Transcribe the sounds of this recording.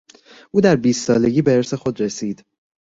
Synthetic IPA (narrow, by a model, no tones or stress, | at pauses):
ʔuːd̪æɾbiːst̪sɒːle̞ɡɟʲiːbeeɾse̞xod̪ɾesiːd̪̥